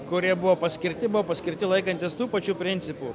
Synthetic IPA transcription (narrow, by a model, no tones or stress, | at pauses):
kʊɾʲiɛbʊʋoːpɐsʲkʲɪɾʲt̪ʲɪbʊʋoːpɐsʲkʲɪɾʲt̪ʲɪlˠɐɪkɐnʲt̪ʲɪst̪uːpɐt͡ʃʲuːpʲɾʲɪnʲt̪sʲɪpuː